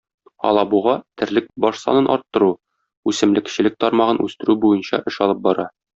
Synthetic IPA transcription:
ɒ̰lˠɑbuʁɑt̪ɘ̆ɾlɘk̚bɒʃsɒ̰nɤnʔɒ̰ɾt̪ːɤ̆ɾu | ʉsɘ̆mlɘ̆kɕɘ̆lɘk̚t̪ɒɾmɑʁɤnʔʉ̰st̪ɘ̆ɾʉbujɤnɕɑ̰ʔɘʃɒlˠɤp̚bɒɾɑ

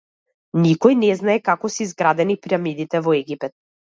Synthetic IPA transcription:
nikɔjnɛznaɛkakɔsiizɡɾad̪ɛnipiamid̪it̪ɛvɔɛɡipɛt̪̚

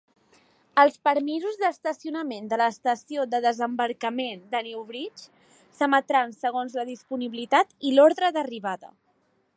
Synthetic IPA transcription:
əlˠspəɾmizuzðəst̪əsiunəmend̪ələːst̪əsioðəðəzəmbəɾkəmend̪ənɛwβɾit͡ʃ | səmət̪ɾansəɣ̞onzləðispuniβilit̪at̪ilɔɾðɾəðəriβaðə̰

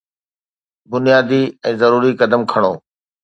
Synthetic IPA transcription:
bʊnijaːd̪iɛ̃ːzɐɾuːɾikɐd̪əmkʰɐɽ̃oː

